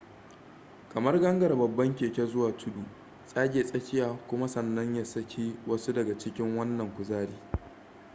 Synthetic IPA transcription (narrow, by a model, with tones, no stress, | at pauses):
kɐ˨mɐ˦rɡɐ˦ŋɡɐ˨rbɐ˨bːɐ˦ŋkʲeː˨kʲe˦zʊ˦waː˨tʰʊ˦duː˨ | sʼaː˦ɡʲeː˨sʼɐ˦kʲɪ˦jaː˨kʷʊ˦ma˦sɐ˨nːɐ˦ɲja˨sɐ˦kʲʰi˦wɐ˦su˦dɐ˨ɡa˨t͡ʃɪ˦kʲɪ˦ŋwɐ˦nːɐ˨ŋkʷʊ˨zaː˦ɽiː˦